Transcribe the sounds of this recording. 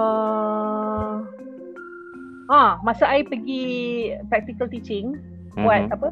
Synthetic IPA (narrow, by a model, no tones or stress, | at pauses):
ə | ʔãmasaʔaipəɡipɾak̚t̪ikəlt̪it͡ʃɪŋ | buat̪̚apə